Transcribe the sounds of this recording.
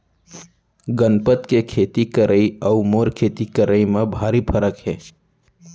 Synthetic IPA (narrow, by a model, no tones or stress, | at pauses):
ɡənpət̪kekʰeːt̪ikəɾʔəiəumoːɾkʰeːt̪ikəɾəimẽbʱaːɾipʰəɾəkɦɛː